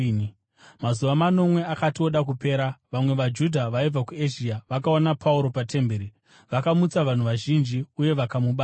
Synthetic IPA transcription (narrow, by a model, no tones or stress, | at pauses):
mazuʋamano̞mwe̞akatio̞ɗakupe̞ːɾaʋamwe̞ʋad͡ʒudʱaʋaib͡vakue̞ʒiaʋakaonapʰauɾo̞patʰe̞mbeːɾi | ʋakamut͡saʋan̤uʋaʒind͡ʒiuje̞ʋakamuɓa